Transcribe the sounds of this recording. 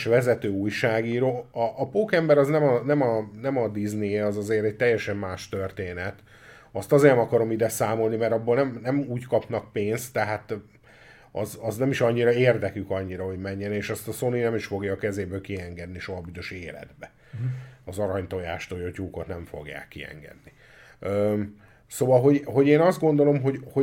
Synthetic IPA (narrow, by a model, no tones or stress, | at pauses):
ʃvɛzɛt̪øːuːjʃaːɡiːɾoːɒʔːpokɛmbɛɾɒznɛmɒnɛmɒnɛmɒd̪izneːɒzɒzeːɾɛc̚t̪ɛjːɛʃɛmːaːʃt̪ørt̪eːnɛt̪ | ɒst̪ɒzeːɛmɒkɒɾo̞mid̪ɛsaːmo̞lnimɛɾɒbːoːlnɛmnɛmuːckɒpnɒk̚peːnst̪ːɛɦat̪ | ɒzɒznɛmiʃɒɲːiɾɒeːrd̪ɛkykɒɲːiɾɒɦo̞ɟmɛɲːɛneːʃɒst̪ɒso̞ninɛmiʃfo̞ɡjɒːkɛzeːbøːlkiɛŋɡɛd̪niʃo̞ɦɒbyzøʃeːlɛ̰d̪bɛ | ɒzɒɾɒɲt̪o̞jaːʃt̪oːjochuːkot̪nɛɱfo̞̰ɡja̰ːkːiɛ̰ŋɡɛ̰d̪ni | øː | soːvɒlɦo̞ɟɦo̞ɟeːnɒzd̪ɡo̞nd̪o̞lo̞mɦo̞ɟho